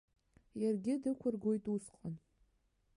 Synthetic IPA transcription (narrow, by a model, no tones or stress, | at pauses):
jarɡʲɪdɨkʷʰʊrɡʷojtʼusqʼan